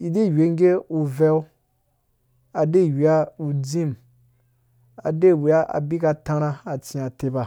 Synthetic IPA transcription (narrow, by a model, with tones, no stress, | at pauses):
i˨de˦˨we˨˧ŋ˦ɡe˦u˧vɛ˦w | a˨de˦˨wi˨a˦u˧d͡zĩ˦m | a̰˨de˦˨wi˨a˦a̰˨bi˦ka˧tã˧ɾã˦a˨t͡sĩ˧a˨te˧ba˨